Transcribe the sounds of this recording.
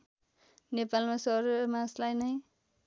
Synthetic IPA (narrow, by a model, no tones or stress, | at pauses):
nepalmasʌɾmãslajnʌj